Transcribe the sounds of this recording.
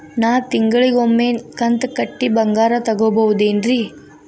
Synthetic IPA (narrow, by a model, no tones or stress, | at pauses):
naːwt̪iŋɡɐɭiɡomːeːkɐnt̪kɐʈːibɐŋɡaːɾɐt̪ɐɡoːbɐwud̪eːnɾiː